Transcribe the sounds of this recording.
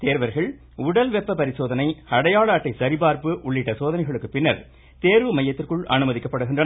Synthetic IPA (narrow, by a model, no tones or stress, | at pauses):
t̪eːɾʋɐɾɣɐɭ | ʊɽɐlʋɛpːɐpɐɾɪsoːðɐnɐɪɐɽɐjaːɭaːʈːɐɪsɐɾɪbaːɾpɯʔʊɭːɪʈːɐsoːðɐnɐɪɣɐɭɯkːɯpːɪnːɐɾ | t̪eːɾʋɯmɐjːɐt̪ːɪrkɯɭʔɐ̰nɯmɐðɪkːɐpːɐɽɯɣɪndrɐ